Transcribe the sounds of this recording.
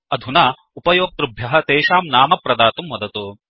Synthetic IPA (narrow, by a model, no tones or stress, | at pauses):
ɐd̪ʱunaː | upɐjoːk̚t̪ɾubʱjɐɦɐt̪eːʃaːmnaːmɐpɾɐd̪aːt̪umʋɐd̪ɐt̪oː